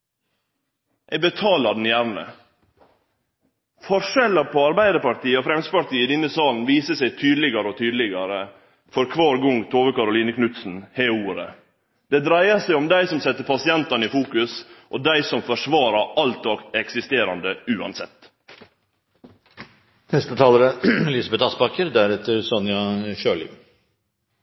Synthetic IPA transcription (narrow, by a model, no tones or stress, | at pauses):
ʔɛbət̪ʰɑːlɑd̪n̩jæɾnə̰ | fɔʂɛləpʰoːɑɾbæɪd̪əɾpɑɾt̪iːəofɾɛmspɑɾt̪iːəid̪ɪnːəsɑːln̩ʋiːsəsæɪt̪ʰyːd̪lɪɡɑɾəoːt̪ʰyːd̪lɪɡɑɾə | fɔɾkʰʋɑːɾɡʊŋt̪ʰoːʋəkɑɾʊliːnəkʰnʉt̪sn̩heːuːɾə̰ | d̪ɛd̪ɾæɪɑsæɪɔmd̪æɪsɔmsɛt̪ːəpʰɑsɪɛnt̪ɑniːfuːkʉsʔɔd̪æɪsɔmfɔʂʋɑːɾɑɑlt̪ɔɡɛksɪst̪eːɾɑnd̪əʉːɑ̰nsɛ̰t̪ː | nɛst̪ət̪ʰɑːləɾəlɪsɑbɛt̪ɑspɑkəɾd̪æɾɛt̪ʰːəɾsɔnɪɑʃøːɭɪ̰